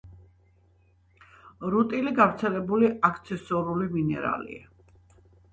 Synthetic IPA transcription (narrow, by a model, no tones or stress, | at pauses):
ɾut̪ʼiliɡavɾt̪sʰɛlɛbuliʔakʰt̪sʰɛsɔɾuliminɛ̰ɾa̰lḭa